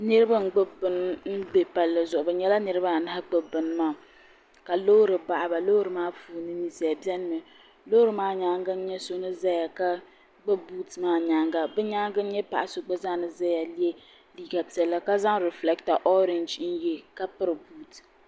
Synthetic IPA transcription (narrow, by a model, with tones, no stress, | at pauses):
nɨ˦ɾɨ˦ba˦ŋ̩˦ɡ͡bɨ˦bɨ˦n˦n̩˦be˨pa˨lːɨ˨zʊ˨ʔʊ˨bɨ˨ɲɛ˦la˦nɨ˦ɾɨ˦ba˦˨na˦ha˦k͡pɨ˨bɨ˨n˦maː˦˨ | ka˨lo˦ɾɨ˨ba˨ʔa˨ba˨lo˦ɾɨ˨maː˦fuː˨nɨ˦ni˦si˨a˨bjɛ˦n˦mɨ˨ | loː˦ɾɨ˦˨maː˦ɲa˨˦ŋɡa˦n̩˦ɲɛ˦so˦nɨ˦za˦ja˨ka˦ | ɡ͡bɨ˦bu˦tmaː˦ɲa˨ŋɡa˨bɛ˦ɲa˦ŋɡa˦n̩˦ɲɛ˦pa̰˨ʔa˨so˨ɡ͡bɨ˦za˦nɨ˦za˦ja˨li˦e˦ | liː˦ɡa˨pi˨ɛ˨lːa˦ka˦za˦ŋɾɛ˨flɛ˦kta˨ʔɔ˦ɾe˨nd͡ʒn̩˦jɛ˦ka˦pɨ˦ɾɨ˨buː˦t